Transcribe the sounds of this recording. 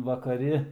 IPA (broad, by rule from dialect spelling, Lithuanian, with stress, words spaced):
ʋɐkɐˈrʲɪ